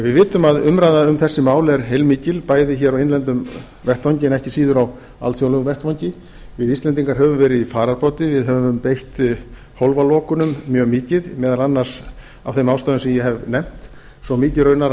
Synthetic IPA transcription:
vɪðvɪːt̪ʏmaðʏmɾajðaʏmθɛsːɪmaːwlɛɾ̥ɦejlmiːcɪlpaːjðɪçɛːɾawenlɛnt̪ʏm | vɛht̪vaɲcɪnɛhcɪsiːðʏɾaw | a̰lt̪θjowlʏvɛht̪vawɲcɪ | vɪðist̪lɛnt̪iŋkaɾɦɛvʏmvɛːɾɪðifaːɾaɾpɔːt̪ɪvɪðɦɛvʏvʏmpejht̪ | howlvalɔːkʏnʏmːjœːɣmiːcɪðmɛːðalanːaɾ̥s | a̰wθejmawst̪aːðʏmsɪmjɛɦɛvnɛm̥t̪ | sɔmiːcɪrœɥnaɾ

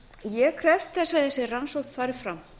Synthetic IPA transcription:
jɛɣkʰɾɛfst̪θɛsːaθɛsːɪransowxt̪faːɾɪɾ̥fɾam

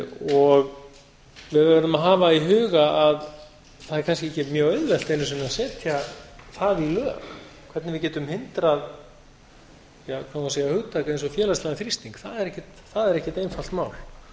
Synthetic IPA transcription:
ɔɣ | vɪðvɛɾɛɾðʏmaɦaːvaiɦʏːɣaað | θaðɛɾkʰanscɪɛhcːɛmjœːɣœðvɛlt̪ejnːʏsɪnːasɛːt̪ʰjaθaðilœːxkʰv̥ɛɾt̪nvɪðcɛːt̪ʏmhɪnt̪ɾað | jakʰawkaseːjahʏɣt̪ʰaːkaejnsɔfjɛːlaslaɣaθɾist̪iŋkθaðɛɾɛhcːɪt̪ | θaðɛɾɛhcːɪt̪ejnfal̥t̪maːwl

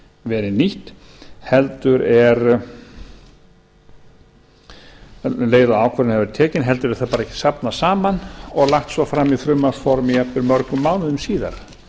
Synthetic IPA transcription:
vɛːɾɪniht̪ | hɛlt̪ʏɾɛɾ | leːjðaaːwkʰvɛɾɪnhɛvɛɾt̪ʰɛːcɪnɦɛlt̪ʏɾɛɾθapaːɾɛcɪ̥sapnasaːmanɔɣlaht̪svɔfɾamiθɾʏmːafɔɾmɪjapɪɾmœɾkʏmːaːwnʏðʏmsiːða̰ɾ̥

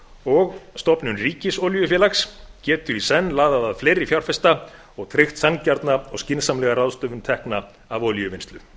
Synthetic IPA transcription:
ɔɣst̪ɔpnʏnriːcɪsɔljʏfjɛːlakscɛːt̪ʏɾisɛnːlaːðaðaðfleːjɾɪfjawr̥fɛst̪a | ɔɣt̪ʰɾejxt̪sancaɾt̪naɔɣscɪnsamlɛɣaɾaðst̪œːvʏnt̪ʰɛhkna | avɔljʏvɪnst̪lʏ

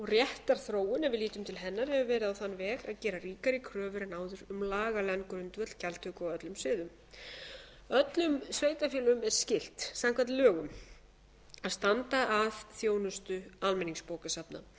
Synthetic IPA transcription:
ɔɣrjɛht̪aɾ̥θɾoːwʏnɛvɪðliːt̪ʏmt̪ʰɪlɦɛnːaɾhɛvʏvɛːɾɪðawθanːvɛːɣaðcɛːɾariːkaɾɪkʰɾœːvʏɾnaːwðʏɾʏmlaːɣalɛnkɾʏnt̪vœt̪l̥cʰalt̪ʰʏkɔœt̪lʏmsvɪːðʏm | œt̪lʏmsveːjt̪afjiːlʏmɛɾ̥scɪl̥t̪samkʰanlœːɣʏm | aðst̪ant̪aaðθjoːwnʏst̪ʏalmɛniŋspoːwkasapna̰

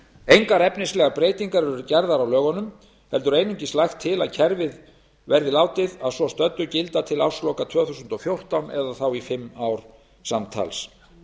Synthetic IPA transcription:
ejŋkaɾɛpnɪnslɛɣaɾpɾejt̪iŋkaɾɛɾʏcɛɾðaɾawlœːɣɔnʏm | hɛlt̪ʏɾeːjnʏɲcɪslajxt̪ʰːɪlaðcʰɛɾvɪð | vɛɾðɪlaːwt̪ɪðaðsɔst̪œt̪ːʏcɪlt̪at̪ʰɪlawslowkat̪ʰvœːθusʏnt̪ɔfjowr̥t̪awnɛðaθawifɪmːawɾ̥ | samt̪ʰa̰ls

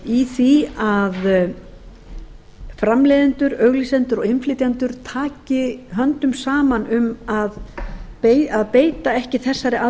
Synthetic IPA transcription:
iθiað | fɾamlɛːðɪnt̪ʏɾœɣlisɛnt̪ʏɾɔɣɪnflɪːt̪jant̪ʏɾ̥t̪ʰaːcɪɦœnt̪ʏmsaːmanʏmaðpejaðpeːjt̪aɛhcɪθɛsːaɾɪʔa

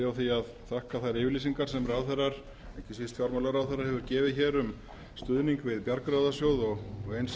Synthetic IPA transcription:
awθiað | θʰahkaθajɾɪːvɪɾlis̬iŋkaɾ̥sɛmraːwθɛɾːaɾ̥ | ehcɪsvist̪fjaɾmalaɾaːwθɛɾːaɾhɛvʏɾcɛːvɪðçɛːɾʏm | st̪ʏðniŋkvɪðpjaɾkɾaðasjoːwðɔɣɣejns

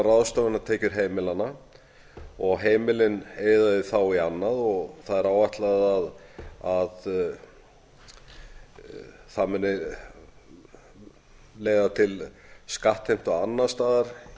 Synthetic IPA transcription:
raðst̪œwvanːat̪ʰeːcʏɾ̥ɦejmɪlanːa | ɔɣɦeːjmɪlɪneːjðaðɪθawianːaðɔɣθaðɛɾaːwvaht̪laðaðað | θamɛnːɪ | leːjðat̪ʰɪlskaht̪hejm̥t̪ɔɣanːast̪aːðaɾ̥

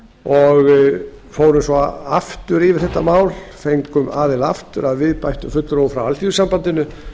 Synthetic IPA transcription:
ɔɣ | foːwɾʏsɔa̰ft̪ʏɾɪvɪɾ̥θɛht̪ːamaːwlfejŋkʏmaːðɪlaft̪ʏɾaðvɪðpajht̪ʏfʏt̪lʏɾowfɾawalt̪isampant̪ɪnʏ

